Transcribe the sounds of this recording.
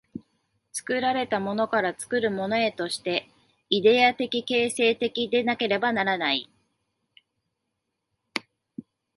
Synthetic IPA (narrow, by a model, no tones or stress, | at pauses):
t͡sɨ̥kɯ̟ɾaɾe̞t̪amo̞no̞kaɾat͡sɨ̥kɯ̟ɾɯ̟mo̞no̞e̞t̪o̞ɕi̥t̪e̞ | id̪e̞at̪e̞kʲike̞ːse̞ːt̪e̞kʲid̪e̞nake̞ɾe̞banaɾanai